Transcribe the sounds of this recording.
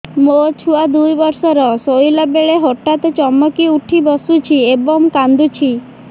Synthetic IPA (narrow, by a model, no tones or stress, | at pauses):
mot͡ʃʰuad̪ujbɔɾsɔɾɔsojlɔbeɭeɦoʈat̪ɔt͡ʃɔmɔkiuʈʰibɔsut͡ʃʰiebɔmkand̪ut͡ʃʰi